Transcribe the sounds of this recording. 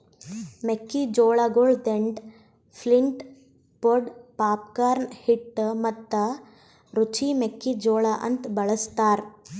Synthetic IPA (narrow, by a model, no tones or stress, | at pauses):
mekːid͡ʒoːɭɐɡoɭd̪eɳɖ | pʰliɳʈ | poɖpaːp̚kaːɾnhiʈːmɐt̪ːɐ | ɾut͡ʃimekːid͡ʒoːɭɐʔɐ̰nt̪bɐɭɐst̪aːɾ